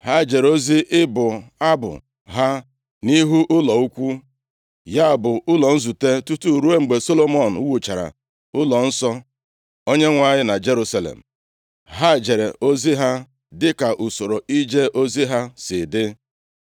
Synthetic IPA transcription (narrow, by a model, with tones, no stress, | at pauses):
ɦa˦˨d͡ʒe˨ɾo˦zi˦ʔɪ˦bʊ˨a˦bʊ̰˨ | ɦa˦ | ni˦ɦu˦ʔʊ˦lɔ˨u˦kʷu˦ | ja˦˨bʊ˨ʊ˦lɔ˨n̩˦zu˨te˦tu˦tu˦˨ɾu˦e˦ŋ͡m̩˨ɡ͡be˨so˦lo˦mɔ˨n̩˨˦wu˨t͡ʃa˨ɾa̰˨ | ʊ˦lɔ˨n̩˦sɔ˦ | o˦ɲe˦ŋʷa˨ɲɪ˦na˨d͡ʒe˦ɾu˦sa˦lḛ˨m̩˨ | ɦa˦˨d͡ʒe˨ɾe˨o˦zi˦ɦa˦ | dɪ˦ka˨ʔʊ˨so˨ɾo˨i˦d͡ʒe˦ʔo˦zi˦ɦa˦sɪ˨dɪ˦